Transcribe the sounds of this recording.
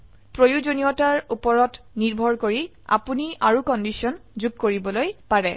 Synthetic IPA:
pɹojuzonijɔtaɹupɔɹɔt | niɹbʱɔɹkoɹi | a̰puniaɹukɔndisiɔnzuɡ̚koɹibɔlojpaɹɛ

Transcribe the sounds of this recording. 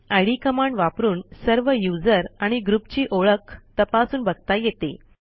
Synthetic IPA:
ajɽikəmaɳɖʋapɾuːnsəɾʋəjud͡zəɾaɽ̃iɡɾupt͡ɕiːʔoɭəkt̪əpasuːnbəɡ̚t̪ajet̪e

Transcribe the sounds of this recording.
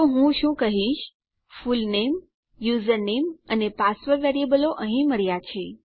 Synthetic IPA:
t̪oɦũʃũkəɦĩʃ | fulnem | juzəɾnemənepasʋəɾʋeɾiebəloʔəɦĩməɾjat͡ʃʰe

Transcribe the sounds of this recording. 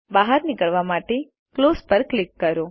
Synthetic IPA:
baɦəɾnɪkəɭʋamaʈe | klospəɾklɪkːəɾo

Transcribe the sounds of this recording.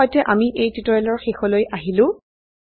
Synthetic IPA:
ɔjtɛʔamiʔejtitɔɹɛlɔɹxexɔlojʔaɦilʊ̃

